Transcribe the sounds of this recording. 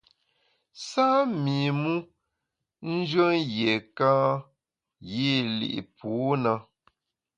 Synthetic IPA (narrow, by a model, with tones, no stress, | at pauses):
sa˦mi˨mu˦ | n̩˦d͡ʒɰə˦ŋjje˨kãː˦ | ji˦˨lḭ˨ʔḭ˨pu˨˦na˦